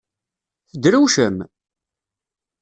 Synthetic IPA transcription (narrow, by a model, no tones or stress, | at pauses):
θəd̪ɾuwʃəm